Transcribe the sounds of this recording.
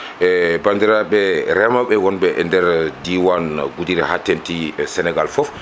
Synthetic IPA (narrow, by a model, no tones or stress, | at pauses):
ʔɛbandiɾaɓɛɾɛmaɓɛwɔnbɛʔɛndɛɾdiwanɡudiɾɛhatːentisɛnɛɡalfɔf